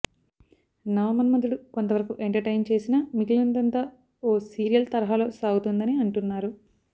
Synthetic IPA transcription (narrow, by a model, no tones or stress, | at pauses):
nɐʋɐmɐnmɐd̪uɽukont̪ɐʋɐɾɐkuʔeɳʈɐɾʈɐjnt͡ʃe̞ːsinɐmikilund̪ɐnt̪a | oːsiːɾijɐlt̪ɐɾɐɦalo̞ːsaːɡut̪und̪ɐniɐɳʈunːaːɾu